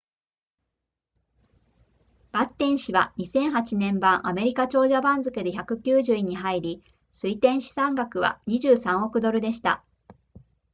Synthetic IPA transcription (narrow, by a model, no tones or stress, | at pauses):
b̥at̪ːẽ̞ɰ̃ɕiβaɲ̟isẽ̞ɰ̃ɦat͡ɕinẽ̞mbãɰ̃ʔame̞ɾʲikat͡ɕo̞ːʑabãnzɨkɯ̟d̪e̞çakɯ̟kʲɨːʑɨːiɲ̟ːiɦaiɾʲi | sɨit̪ẽ̞ɰ̃ɕi̥sãŋɡakɯ̟βa̰ɲ̟iʑɨːsãɰ̃o̞kɯ̟d̪o̞ɾɯ̟d̪e̞ɕi̥t̪a̰